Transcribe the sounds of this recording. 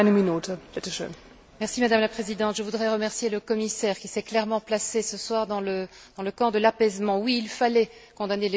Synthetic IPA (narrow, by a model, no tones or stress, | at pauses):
nəminut̪əpɛt̪əʃø̰ːn | mɛʁsimad̪amlapχezid̪ɑ̃t̪ʒəvud̪ʁɛʁəmɛʁsjeləkɔmisɛʁkʲisɛklɛʁmɑ̃plasesəswaʁd̪ɑ̃lə | d̪ɑ̃ləkɑ̃d̪əlapɛzmɑ̃wiːlfalɛkɔ̃d̪anele